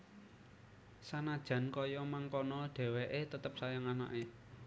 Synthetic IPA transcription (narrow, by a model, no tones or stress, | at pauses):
sanad̥ʒ̥a̤nkɔjɔmaŋkɔnɔɖ̥ɛ̤wɛʔet̪ət̪əp̚sajaŋana̰ʔe